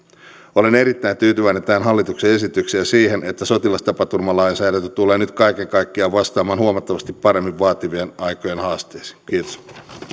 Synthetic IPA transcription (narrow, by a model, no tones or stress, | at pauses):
ole̞ne̞ɾit̪ːæjnt̪yːt̪yʋæinent̪æːnɦɑlːit̪ukse̞e̞sit̪yksiæsiːɦe̞nʔet̪ːæso̞t̪ilɑst̪ɑpɑt̪urmɑlɑjnsæːɾænt̪yt̪ule̞ːnyt̪kɑjke̞ŋkɑjkːiɑʋɑst̪ɑːmɑːnhuomɑt̪ːɑʋɑst̪ipːɑɾe̞mːiʋːɑːt̪iʋienɑjkojenhɑːst̪eːsi̥kiːt̪o̥s